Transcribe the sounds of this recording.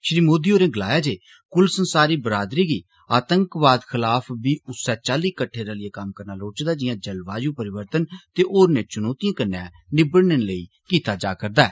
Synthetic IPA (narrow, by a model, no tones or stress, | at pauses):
ʃɾiːmoːd̪iːoːɾẽːɡəlaːjaːd͡ʒeː | kʊlsənsaːɾiːbəɾaːd̪ɾiːɡiː | aːt̪əŋkʋaːd̪kʰɪlaːpʰbiːʊsːɛːt͡ʃaːliːkəʈʰːeːɾalɪeːkəmkəɾnaːloːt͡ʃd̪aːd͡ʒɪjãːd͡ʒəlʋaːjũːpəɾɪʋəɾt̪ənt̪eːʔoːɾnẽːt͡ʃʊnoːt̪ijãːkənːɛ̃ː | nɪbəɽnenləiː | kiːt̪aːd͡ʒaːkəɾd̪aːɛː